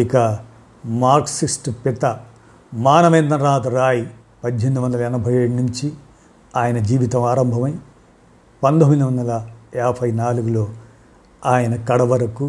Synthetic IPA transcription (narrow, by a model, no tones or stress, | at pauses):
ikɐ | maːɾksisʈpit̪ɐ | maːnɐʋeːnd̪ɐnɾaːt̪ɐɾaːji | pɐd̪ɦend̪iʋɐnd̪ɐlɐɛnɐbʱɐjeːɽunuɲt͡ʃi | aːjɐnɐd͡ʒiːʋit̪ɐmaːɾɐmbʱɐmɐj | pɐnd̪omind̪uʋɐnd̪ɐlɐɛːpʰɐjnaːluɡulo̞ː | aːjɐnɐkɐɽɐʋɐɾɐku